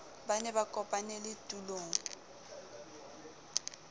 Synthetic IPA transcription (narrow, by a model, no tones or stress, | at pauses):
banɛbakʼɔpʼanɛlɪtʼuloːŋ